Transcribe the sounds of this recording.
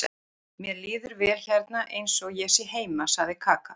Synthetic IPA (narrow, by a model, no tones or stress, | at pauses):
mjɛliːðʏɾvɛːlçɛɾt̪̚naʔejnsɔɣjɛsiɦeːjmasaɣðɪkʰaːka